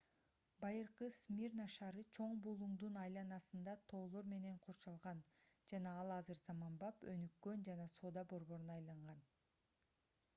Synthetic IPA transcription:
bɑjɯɾqɯsmʲiɾnɑʃɑɾɯt͡ʃʰo̞ɴbulˠuɴd̪unɑjlˠɑnɑsɯnd̪ɑt̪ʰo̞ːlˠo̞ɾme̞ne̞ɴqʰoɾt͡ʃɑlˠʁɑnd͡ʒɑnɑɑlˠɑzɯɾzɑmɑmbɑpø̞nykːø̞nd͡ʒɑnɑso̞ːd̪ɑbo̞ɾβo̞ɾunɑjlˠɑɴʁɑn

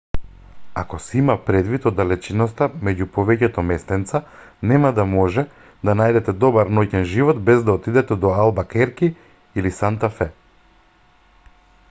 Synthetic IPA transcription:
a̰kɔsɛimapɾɛd̪vit̪ɔd̪ːalɛt͡ʃinɔst̪amɛɟupɔvɛcɛt̪ɔmɛst̪ɛnt̪sa | nɛmad̪amɔʒɛ | d̪anajd̪ɛt̪ɛd̪ɔbaɾnɔcɛnʒivɔt̪bɛzd̪aɔt̪id̪ɛt̪ɛd̪ɔalˠbakɛɾki | ilisant̪afɛ

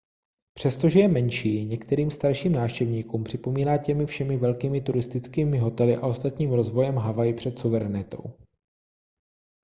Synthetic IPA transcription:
pr̥ɛst̪o̞ʒɛjɛmɛnʃiːɲɛkt̪ɛɾiːmst̪aɾʃiːmnaːfʃcɛvɲiːkuːmpr̥ɪpo̞miːnaːcɛmɪfʃɛmɪvɛlkiːmɪt̪uɾɪst̪ɪt͡skiːmɪɦo̞t̪ɛlɪʔa̰o̞st̪at̪ɲiːmɾo̞zvo̞jɛmɦavajɪpr̥ɛt̪suvɛɾɛnɪt̪o̞̰w

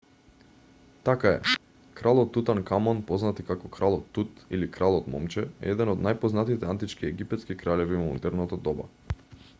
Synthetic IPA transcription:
t̪akaɛ̰ | kɾalˠɔt̪ːut̪ankamɔnpɔznat̪ikakɔkɾalˠɔt̪ːut̪ilikɾalˠɔt̪mɔ̰mt͡ʃɛɛ̰ɛd̪ɛnɔd̪najpɔznat̪it̪ɛant̪it͡ʃkiɛɡipɛt̪skikɾalɛvimɔmṵnt̪ɛɾnɔt̪ad̪ɔba̰

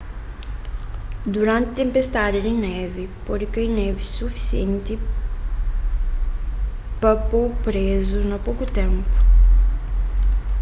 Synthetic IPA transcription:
d̪uɾɐ̃nt̪ɪt̪ẽmpest̪ad̪ɪd̪ɪnɛvɪpɔɾikɐjnɛvɪsufi̥siẽnt̪ɪ | pɐpopɾezʊnɐpowkʊt̪ẽmpʊ̥

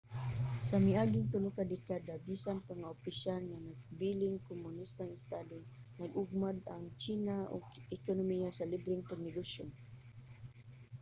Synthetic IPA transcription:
samiaɡɪŋt̪ʊlʊkad̪ɛkad̪abisanpaŋaopisalŋanaɡ̚bilɪŋkomʊnist̪aŋɪst̪ad̪ʊ | naɡʊɡ̚mad̪aŋt͡ʃinao̰ɡɛkonomijasalibɾɪŋpaɡnɛɡoson

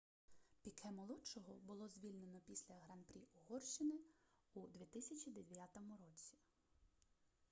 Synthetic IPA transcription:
pʲikʰɛmɔlˠɔt͡ʃɔɦɔbʊlˠɔzʲʋʲilʲne̞nɔpʲisʲlʲɐɦɾɐnpɾʲiʔɔɦɔrʃt͡ʃɪnɪud̪ʋʲit̪ɪsʲɐt͡ʃʲid̪eʋʋʲjat̪ɔmʊɾɔt͡sʲi̥

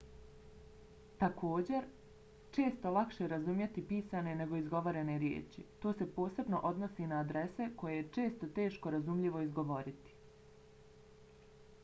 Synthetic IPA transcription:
t̪akʰo̞ːd͡ʑe̞ɾ | t͡ʃe̞ːst̪o̞lˠakʃeɾazumjet̪ipiːsane̞ne̞ɡo̞izɡo̞ʋoɾe̞neɾjḛːt͡ʃḭt̪o̞ːse̞po̞ːse̞bno̞ʔo̞d̪nosiːnaːd̪ɾe̞se̞ko̞jejet͡ʃe̞ːst̪ot̪e̞ːʃkoɾazumʎiʋo̞izɡo̞ʋo̞ɾit̪i̥

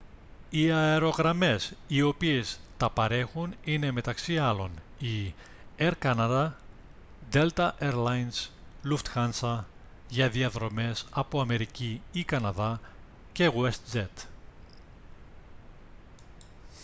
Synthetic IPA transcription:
iɐeɾo̞ɣɾɐme̞sio̞pie̞st̪ɐpɐɾe̞xunine̞me̞t̪ɐksiɐlo̞n | i | eɾkɐnɐðɐ | d̪e̞lt̪ɐʔeɾlɐjnsluft̪xɐnsɐ | ʝɐðiɐðɾo̞me̞sɐpoɐme̞ɾiciːkɐnɐðɐ | ce̞ɣwest̪zet̪

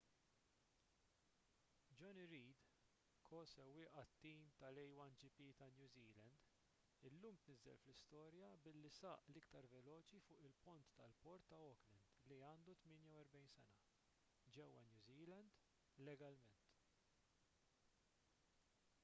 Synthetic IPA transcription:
d͡ʒɔniɾiːd̪ | kʰɔːsɛwːɪːʔɐt̪ːiːmt̪ɐlɛjwɐnd͡ʒipiːt̪ɐnjuːziːlɛnd̪ | ɪlːuːmt̪nɪzːɛ̰lflɪst̪ɔːɾjɐbɪlːisɐːʔlɪkt̪ɐɾvɛlɔːt͡ʃifʊːʔɪlpʊnt̪ːɐlpɔɾt̪ːɐɔklɪnd̪liɐːnd̪ut̪mɪːnjɐwɛɾbɛjnsɛnɐ | d͡ʒɛwːɐ̰njuːziːlɛnd̪ | lɛɡɐlmɛnt̪

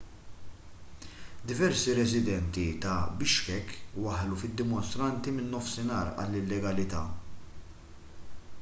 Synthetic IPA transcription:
d̪ɪvɛɾsiɾɛzɪd̪ɛnt̪it̪ɐbɪʃkɛkːwɐħlufɪd̪ːɪmɔnst̪ɾɐnt̪imɪnːɔfsɪnɐːɾɐ̰lːɪlːɛɡɐlɪt̪ɐː

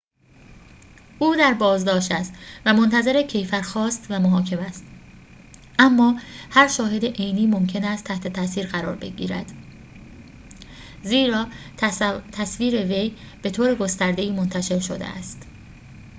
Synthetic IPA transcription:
ʔuːd̪æɾbɒːzd̪ɒːʃt̪æst̪væmo̞nt̪ʰæze̞ɾe̞cʰe̞jfæɾxɒːst̪væmoɦɒːcʰe̞mæst̪ | ʔæmːɒːhæɾʃɒːɦe̞d̪eʔejniːmo̞mcʰe̞næst̪ʰæht̪ʰe̞t̪ʰæsiːɾɣæɾɒːɾbe̞ɟḭːɾæ̰d̪̥ | ziːɾɒː | t̪ʰæsviːɾe̞ve̞j | b̥e̞t̪ʰoːɾe̞ɡo̞st̪æɾd̪e̞iːmo̞nt̪ʰæʃe̞ɾʃo̰d̪ḛʔæ̰st̪

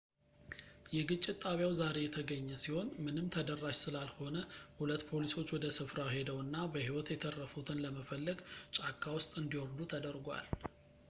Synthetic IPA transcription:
jɛɡɨt͡ʃʼːɪt̪t̪ʼːaβjawzaɾe̞jɛt̪ʰəɡəɲːɛsiho̞nmɨnɨmt̪ʰəd̪ərːaʃsɨlalho̞nəhulət̪ːpʰo̞liso̞t͡ʃːwɔd̪əsɨfɾahe̞d̪əwɨnːabəhiwɔt̪jɛt̪ʰərːəfut̪ʰɨnləməfəlːəɡt͡ʃʼakʰʼːawʊst̪ʼɨnd̪iwɔɾd̪ut̪ʰəd̪əɾɡʷa̰l

